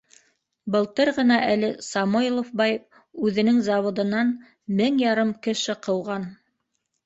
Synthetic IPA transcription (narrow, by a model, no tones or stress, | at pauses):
bɤ̆lˠt̪ɤɾʁɤ̆nɑʔælɘsɑmuɪlˠofbɑj | ʉðɘ̆nɘŋzɑwŏd̪ɤ̆nɑn | mɘŋjɑɾɤmkɘ̆ʃɘqɤ̆wʁɑn